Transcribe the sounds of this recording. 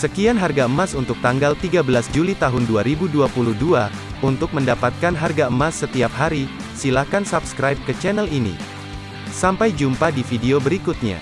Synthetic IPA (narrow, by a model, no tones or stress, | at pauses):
səkianɦarɡaəmasunt̪ʊk̚t̪aŋɡalt̪iɡabəlasd͡ʒulit̪aɦʊnduaɾibuduapuluhdua | unt̪ʊk̚məndapat̪̚kanɦarɡaəmasːət̪iap̚ɦaɾi | silahkansabskɾajp̚kət͡ʃɛnɛlinḭ | sampajd͡ʒumpadifideobəɾikut̪̚ɲa̰